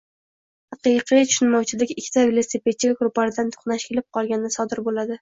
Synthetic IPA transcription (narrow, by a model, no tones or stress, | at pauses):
hɑqɨqʰijt̪ʰʊ̥ʃɪnmɒwt͡ʃʰɪlɪkʲɪkʲʰːɪ̥t̪ʰavelˠosepet͡ʃikaɡɾʊpːaɾɪd̪ant̪ʰo̥χnaʃkʲʰelɪp̚qʰɒlˠɡʲanɪnsɒd̪ɪɾbolad̪ɪ